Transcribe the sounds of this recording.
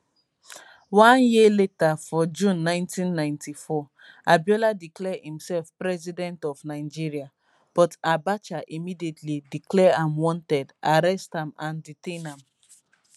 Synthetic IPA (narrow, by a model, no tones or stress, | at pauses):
wãnjiletafɔd͡ʒũnːãɪ̃ntĩnːãɪ̃ntifɔ | abjɔladiklɛhĩmsɛlfpɹɛzidɛ̃ntɔvnaɪd͡ʒiɹia | b̥ɔtabat͡ʃaʔimidietlidiklɛãmwɔ̃ntɛdʔaɾɛstãmãnditẽnãm